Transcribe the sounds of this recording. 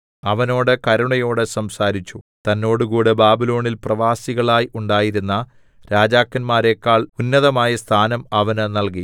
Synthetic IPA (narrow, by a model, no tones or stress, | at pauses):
ɐʋɐno̞ːɽɨkɐɾuɳɐjo̞ːɽesɐmsaːɾit͡ɕːu | t̪ɐnːo̞ːɽuɣuːɽebaːbilo̞ːɳilprɐʋaːsiɣɐɭaːjuɳɖaːjiɾunːɐ | ɾaːd͡ʑaːkːɐnmaːɾe̞ːkːaːɭunːɐðɐmaːjɐst̪ʰaːnɐmɐʋɐnnɐlki